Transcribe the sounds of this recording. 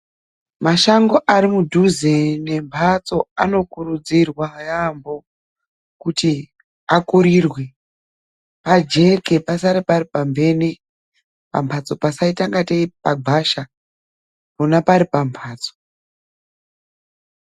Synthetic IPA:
maʃaŋɡo̞ʔaɾimudʱuzene̞mpʰat͡so̞ano̞kurud͡zirwajambo̞ | kuti | akuɾirwe | pad͡ʒe̞ke̞pasaɾipaɾipambe̞ne | pa̰mpʰat͡so̞pasaitaŋɡateipaɡʱaʃa | munapaɾipampʰaːt͡so̥

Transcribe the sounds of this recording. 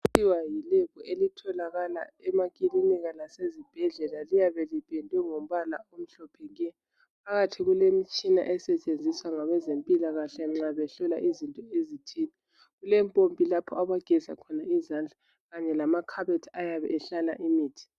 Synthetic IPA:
iwajilɛkɔʔelitʰɔlaɣala̰ɛmaɣʼiliniɣalasezib̥ʱɛɮɛlalijaβɛlib̥ʱɛndʼʱɛŋom̩βalaom̩ɬɔpʰɛŋɛ | pʰaɣatʰiɣulemit͡ʃʼina̰ʔɛsɛt͡ʃʼend͡zʱiswaŋaɣɛzempʼilaɣaɬɛŋ͡ǁaβɛɬɔla̰ʔizintʼɔezitʰiːni | ɣulɛmpʼompʼilapʰɔ̰aβaɡ̥ʱɛza̰kʰɔnaizand͡ɮʱa | ɣaɲɛlamakʰaβɛtʰajaβɛ̰ʔɛɬala̰ʔimiːtʰi̥

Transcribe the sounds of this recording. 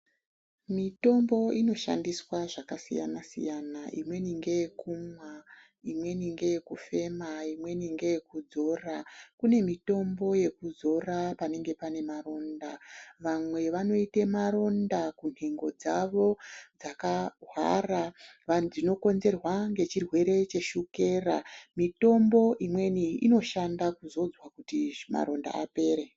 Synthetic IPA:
mito̞mbo̞ino̞ʃa̰ndiswaʐakasḭja̰nasḭjanaʔḭmwe̞niŋɡe̞jekumwa | imwe̞niŋɡe̞jekufe̞maimwe̞niŋɡe̞jekud͡zo̞rakune̞mito̞mbo̞je̞kud͡zo̞rapane̞ŋɡe̞pane̞maɾo̞ndaʋamwe̞ʋano̞itemaɾo̞ndakun̥heŋɡo̞d͡zaʋo̞d͡zakaɦwa̰raʋad͡zino̞ko̞nzerwaŋɡe̞t͡ʃirwe̞ɾe̞t͡ʃe̞ʃuke̞ːramito̞mbo̞ʔimwe̞niino̞ʃandakuzo̞d͡zwakutima̰ɾo̞nda̰a̰pe̞ːɾe

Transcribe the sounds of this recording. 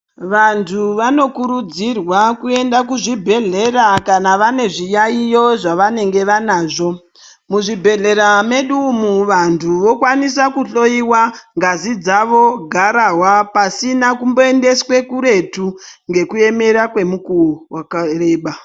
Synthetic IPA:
ʋantʰuʋano̞kuɾud͡zirwakue̞ndak̬uʐibʱe̞ɮe̞rakanaʋane̞ʐijaijo̞ʐaʋane̞ŋɡe̞ʋanaːʐo̞ | muʐibʱe̞ɮe̞ɾame̞ɗumuʋantʰuʋo̞kwanis̬akuɬo̞iwaŋɡazid͡zaʋo̞ɡʱaɾaɦwapasinakumbo̞e̞nde̞swe̞kuɾe̞tuŋɡe̞kue̞me̞ɾakwe̞mukuwakare̞ːɓa

